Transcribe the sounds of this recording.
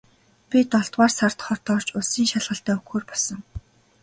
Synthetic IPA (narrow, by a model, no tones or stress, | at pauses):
pʲit̪ɔɮt̪waːrsart̪χɔt̪ɔːr̥t͡ɕʊsiːŋʃaɮʁə̆ɬt̪æːɵxoːrpɔɮsɞ̆ŋ